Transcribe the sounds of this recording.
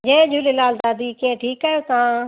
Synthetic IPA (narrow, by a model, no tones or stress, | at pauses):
d͡ʑẽd͡ʒʱulelaːld̪aːd̪ikeẽʈʰiːkaːjot̪ã